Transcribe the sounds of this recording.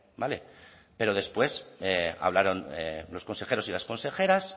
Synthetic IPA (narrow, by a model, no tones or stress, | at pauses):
bale̞̰ | pe̞ɾo̞ð̞espwe̞sea̰β̞laɾo̞nḛlo̞sko̞nse̞xe̞ɾosilasko̞nse̞xe̞ɾas